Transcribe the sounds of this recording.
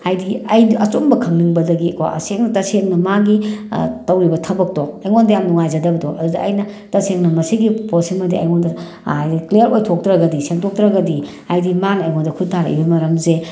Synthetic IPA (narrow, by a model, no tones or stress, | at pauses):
hajdiɐjnʔɐt͡ʃombɐkʰɐŋniŋbɐdɐɡikwa̰ɐ̰seŋnɐtɐseŋnɐmaɡitɐwɾibɐtʰɐbɐk̚toɐjŋondɐjamnuŋajzɐdɐbɐdoʔɐdudɐ̰ːjnɐtɐseŋnɐmɐsiɡiposimɐdiɐ̰jŋondɐ | ajdiklijɐɾojtʰok̚tɾɐɡɐdiseŋtʰok̚tɾɐɡɐdi | ajdimanɐːjŋondɐkʰut̚tʰːaɾɐ̰ḭbɐmɐɾɐmze